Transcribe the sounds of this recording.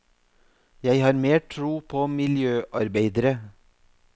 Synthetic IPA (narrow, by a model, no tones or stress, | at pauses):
jæɪhɑːɾmeːʈʰɾuːpʰoːmɪljøːʔɑɾbeɪd̪əɾə